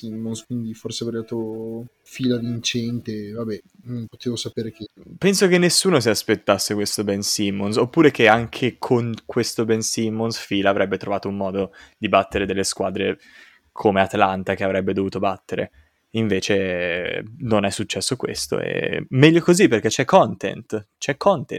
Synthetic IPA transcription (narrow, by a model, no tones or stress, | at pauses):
simːonskwind̪iforseavɾɛd̪aːt̪o | fiːlavint͡ʃɛnt̪evabɛ | nõmpot̪eːvosapeːɾek̟epɛnsokenːesːuːnos̬iaspet̪ːasːekwest̪obɛnsimːonsopːuːɾek̟eaŋkʰekʰoŋkwest̪obɛnsimːonsfiːlaːvɾʔɛbːet̪ɾovaːt̪oumːɔːd̪od̪ibat̪ːeɾed̪elːeskwaːd̪ɾe | kʰomeat̪alant̪ak̟eavɾɛbːed̪ovuːt̪obat̪ːeɾḛ | iɱveːt͡ʃe | nonɛsːut͡ʃːɛsːokwḛst̪o̰ḛmɛʎːokoziperk̟et͡ʃɛkʰːɔnt̪ḛnt̪ | t͡ʃɛkʰːɔnt̪ḛ